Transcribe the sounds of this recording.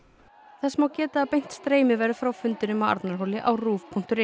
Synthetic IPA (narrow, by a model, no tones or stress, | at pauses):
θɛsmawcɛːt̪aːðpejn̥t̪st̪ɾeːjmɪvɛːɾʏfɾawfʏnt̪ɪnʏmawa̰ɾt̪naɾ̥ɦowlɪʔa̰wruːvpʰuŋ̥t̪ʏɾe